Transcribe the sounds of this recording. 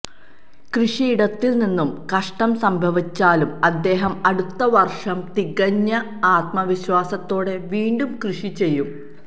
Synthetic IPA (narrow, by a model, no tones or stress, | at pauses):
krɨʂiːɽɐt̪ːilninːumkɐʂʈɐmsɐmbʱɐʋit͡ɕːaːlumɐd̪ːe̞ːɦɐmɐɽut̪ːɐʋɐrʂɐmt̪iɣɐɲːɐ | aːt̪̚mɐʋiɕwaːsɐt̪ːo̞ːɽe̞ʋiːɳɖumkrɨʂit͡ɕe̞jːum